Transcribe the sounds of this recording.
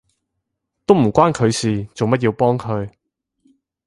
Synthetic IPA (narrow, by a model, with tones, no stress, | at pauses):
t̪o˥wm̩˨˩kʷaː˥nkʰɵ˨˧ɥsiː˨˩t͡so˨wmɐ˥t̚jiː˧wpɔː˥ŋkʰɵ˨˧ɥ